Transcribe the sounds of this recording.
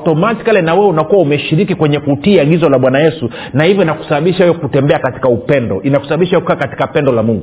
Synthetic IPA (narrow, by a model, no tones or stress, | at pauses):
tɔmati̥kalɛnawɛɛunakuwaumɛʃiɾikikwɛɲɛkutiaɠizɔlaɓwanajɛsu | nahivjɔinaku̥saɓaɓiʃawɛjɔkutɛmbɛakati̥kaupɛndɔ̰ʔinakusaɓaɓiʃawɛɔku̥kaːkati̥kapɛndɔlamuŋɡu